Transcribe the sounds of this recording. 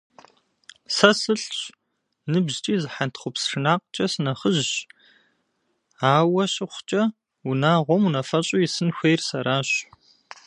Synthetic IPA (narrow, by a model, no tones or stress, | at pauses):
sɐsɨɬɕ | nɨbʑt͡ʃʼiːzɨħantʰχʷʊpsrɨnaːqt͡ʃʼɐsɨnɐχəʑʒ | aːwɐɕɪχʷt͡ʃʼɐ | unaːʁʷɔmunɐfɐɕʼʊjisɨnxʷejrsɐɾaːɕ